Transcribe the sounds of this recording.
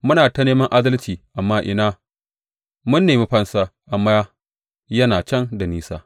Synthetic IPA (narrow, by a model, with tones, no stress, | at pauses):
mʊ˦naː˨tɐ˦neː˦mɐ˦ŋʔa˦dɐ˦lt͡ʃiː˨ʔa˨mːaː˦ʔɪ̰˨naː˦ | mʊ˦nːeː˨mi˦ɸɐ˦nsaː˦ʔa˨mːaː˦ | jɐ˦naː˨t͡ʃɐ˦˨nda˨niː˦sa̰ː˦